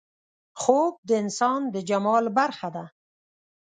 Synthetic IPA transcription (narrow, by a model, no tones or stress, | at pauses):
xob̚d̪əɪnsɑnd̪əd͡ʒamɑlbaɾxad̪a